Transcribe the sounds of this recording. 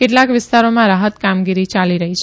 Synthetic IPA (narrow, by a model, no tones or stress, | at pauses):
keʈlãkʋɪst̪aɾomãɾaɦət̪kamɡiɾit͡ʃaliɾəɦit͡ʃʰ